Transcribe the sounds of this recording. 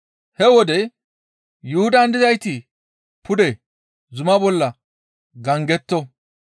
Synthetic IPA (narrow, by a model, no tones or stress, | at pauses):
hɛwɔd̪ɛ | jʊhʊd̪ɐnd̪ɪzɐjt̪ɪ | pʰʊd̪ɛ | zʊmɐbɔlːɐ | ɡɐŋɡɛt̪ːɔ